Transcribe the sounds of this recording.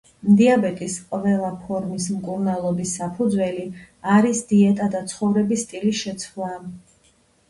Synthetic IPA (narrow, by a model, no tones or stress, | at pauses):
md̪iabɛt̪ʼisqʼvɛlˠapʰɔɾmismkʼuɾnalˠɔbisːapʰud̪zwɛli | aɾisd̪iɛt̪ʼad̪at̪sʰχɔvɾɛbist̪ʼiliʃɛt̪sʰχlˠa